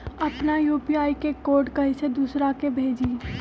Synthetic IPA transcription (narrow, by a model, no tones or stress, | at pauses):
ɐpnajuːpijaːikekoːɾɖkɐɦised̪uːsɾakebʱeːd͡ʒiː